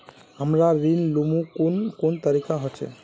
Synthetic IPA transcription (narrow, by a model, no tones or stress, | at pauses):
ɦəmɾaɾinlumukunkont̪əɾikaɦɔt͡ʃʰḛ